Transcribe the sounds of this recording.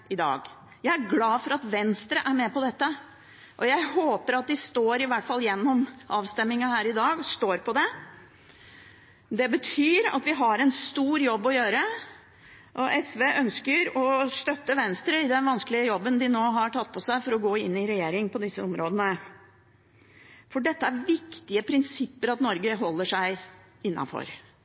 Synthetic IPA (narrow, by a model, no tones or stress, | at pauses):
ʔɪd̪ɑ̰ːɡ | jæɪæɾɡlɑːfɔɾɑt̪ʋɛnst̪ɾəʔæɾmɛːpɔd̪ɛt̪ːə | ʔɔjæɪɦoːpəɾɑt̪̚d̪ɪst̪oːɾɪʋæʈfɑlːjɛnːɔmʔɑːʋst̪ɛmːɪŋɑhæːɾɪd̪ɑːɡɔst̪oːɾpʰɔd̪ɛ | d̪ɛbət̪ʰyːɾɑ̰t̪ʋɪɦɑɾɛnst̪uːɾjɔbːɔjøːɾə | ʔɔʔɛsʋeʔœnskəɾɔst̪œt̪ːəʋɛnst̪ɾəɪd̪ɛnʋɑnskəlɪəjɔbːənd̪ɪnoːɦɑʈʰɑt̪ːpʰɔsæɪfɔɾɔɡoːɪnːɪɾɛjeːɾɪŋpʰɔd̪ɪsːəɔmɾoːd̪ənə | fɔɖɛt̪ːəæɾʋɪkt̪ɪəpʰɾɪnsɪpːəɾɑt̪nɔɾɡəɦɔlːəʂæɪ | ɪnːɑ̰nfɔ̰ɾ